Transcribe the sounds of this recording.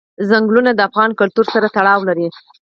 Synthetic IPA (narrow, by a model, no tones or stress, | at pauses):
zaŋɡlunad̪əafɣɑnkʊlt̪uɾsaɾat̪aɽɑwlaɾi